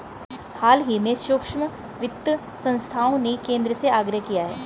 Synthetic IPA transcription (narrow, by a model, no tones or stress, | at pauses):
haːlɦimẽʃʊːkʃmə | ʋɪt̪ːə | sɐ̃nst̪ʰaːõnekẽːnd̪ɾəseaːɡɾəɦkijaɦɛː